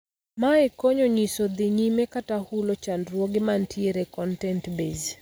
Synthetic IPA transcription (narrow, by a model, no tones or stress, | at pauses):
maɛkoɲɔɲisod̪iɲimɛkatahulot͡ʃandɾwoɡɪmantʰieɾɛkɔntɛntbez